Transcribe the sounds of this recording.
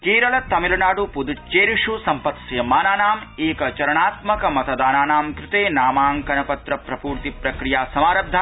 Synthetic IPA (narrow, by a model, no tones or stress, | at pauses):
keːɾɐlɐt̪ɐmilɐnaːɽupud̪ut͡ʃeːɾiʂusɐmpɐt̪sjɐmaːnaːnaːmeːkɐt͡ʃɐɾɐɳaːt̪mɐkɐmɐt̪ɐd̪aːnaːnaːmkɾɪt̪eːnaːmaːŋkɐnɐpɐt̪ɾɐpɾɐpuːɾt̪ipɾɐkɾijaːsɐmaːɾɐb̚d̪ʱːa